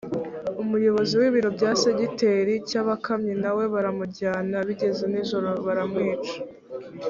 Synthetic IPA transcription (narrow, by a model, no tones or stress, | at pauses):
umujo̞βo̞ziwiːβiɾo̞bɟaːse̞ɟite̞ɾicaːβakamɲenawe̞βaɾamuɟaːnaβiɟe̞ze̞niʒo̞ɾo̞βaɾamŋeːt͡ʃḁ